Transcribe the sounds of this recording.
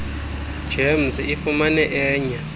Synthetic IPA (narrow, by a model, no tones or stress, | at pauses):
d͡ʒ̥em̩sifumanɛʔɛːɲa